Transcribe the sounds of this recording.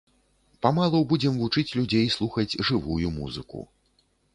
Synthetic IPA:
pamalˠɐwbud͡zʲɛmvut͡ʂɨt͡sʲlʲud͡zʲejslˠuxɐd͡zʲʐɨvujumṵzɨ̰kṵ

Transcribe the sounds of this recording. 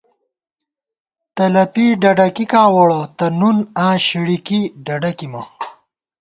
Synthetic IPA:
t̪ɐlɐpiɖɐɖɐkikãːwɐɽɐt̪ɐnunãːɕiɽikiɖɐɖɐkimɐ

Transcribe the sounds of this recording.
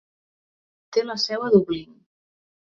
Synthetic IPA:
t̪eləsɛwəðuβliŋ

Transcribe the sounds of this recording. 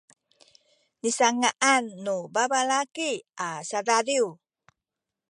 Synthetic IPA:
nisaŋaʔanːubabalakiasadaɾiu

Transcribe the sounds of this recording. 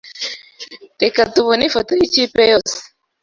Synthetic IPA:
ɾekatuβonefotoit͡ʃipejos

